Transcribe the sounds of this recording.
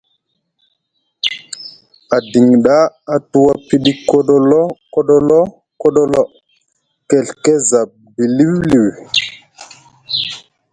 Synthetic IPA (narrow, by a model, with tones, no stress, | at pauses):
a˨di˨ŋɗa˦a˨tu˦wa˦pi˦ɗi˦ko˦ɗo˦lo˦ko˦ɗo˦lo˦ | ko˦ɗo˦lo˦ | ke˨ɬke˦za˨p̚bi˨li˦wli˨w